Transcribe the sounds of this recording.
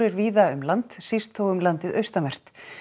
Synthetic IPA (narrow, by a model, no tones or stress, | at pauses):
ɾɪɾviːðaʏmlant̪sist̪ʰːoːwʏmlant̪ɪðœɥst̪amɛr̥t̪